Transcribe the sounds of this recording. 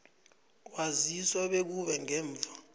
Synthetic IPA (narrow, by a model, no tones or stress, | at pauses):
k̬waziswaɓek̬uɓɛŋɛːɱvʱa